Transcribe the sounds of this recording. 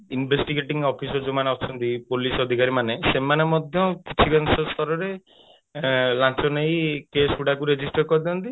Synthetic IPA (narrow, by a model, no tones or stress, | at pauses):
inbʱesʈiɡeʈiŋɔpʰisɔd͡ʒomaneɔt͡ʃʰɔnt̪ipolisɔd̪ʱikaɾimanesemanemɔd̪ʱjɔkit͡ʃʰiɡansɔst̪ʰɔɾɔɾe | lãnt͡ʃɔnejkesuɽakuɾed͡ʒisʈɔɾkɔɾd̪iɔnt̪i